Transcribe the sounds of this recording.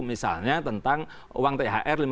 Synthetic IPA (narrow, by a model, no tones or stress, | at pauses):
misa̰lɲat̪ənt̪aŋ | waŋt̪eɦaʔɛrlim